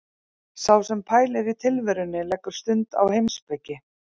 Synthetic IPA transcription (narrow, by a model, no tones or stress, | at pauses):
sawsɛmpʰaːjlɛɾit̪ʰɪlvɛɾʏnːɪlɛkːʏɾ̥st̪ʏnt̪a̰whejmspɛcːɪ